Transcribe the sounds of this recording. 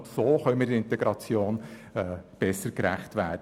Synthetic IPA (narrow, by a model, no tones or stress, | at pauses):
soːχœʏmədɪntɛɡɾɑt͡sjoːnː | b̥ɛsəɾkɾæχtʋæːd